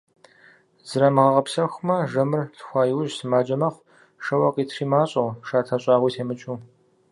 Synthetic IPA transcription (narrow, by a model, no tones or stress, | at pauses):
zɨɾɐmɨʁɐʁɐpsɐxʷmɐʒɐmɨrtʰxʷɑːjɪwʊʒsɨmaːd͡ʒɐmɐχʷ | ʂɐwɐqʼiːtʰriːmaːɕʼɐwʃaːtʰɐɕʼɑːʁʷiːtʰeːmɨt͡ʃʼuː